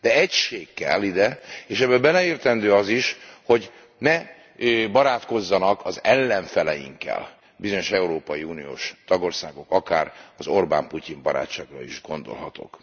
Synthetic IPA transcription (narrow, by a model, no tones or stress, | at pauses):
d̪̥ɛɛcʃeːkːɛ̰lːid̪ɛeːʃɛbɛbɛlɛeːrt̪ɛnd̪øːɒziʃho̞ɟ | nɛ | bɒɾaːt̪ko̞zːɒnɒkʰɒzɛlːɛɱfɛlɛjḭŋkːɛ̰l | bizo̞ɲo̞ʃɛuɾoːpɒjiunijo̰ːʃt̪ɒɡo̞rsaːɡo̞kɒkaːrɒzo̞rba̰ːmpucimbɒɾa̰ːtt͡ʃːaːɡrɒ̰iʒɡo̞nd̪o̞̰lɦɒt̪o̰k